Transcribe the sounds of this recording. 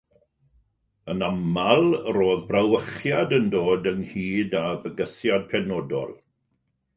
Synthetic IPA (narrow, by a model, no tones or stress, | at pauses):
ənamalˠroːðbrawəχjadəndoːdənhiːdavəɡəθjad̚pʰɛnɔdɔ̰lˠ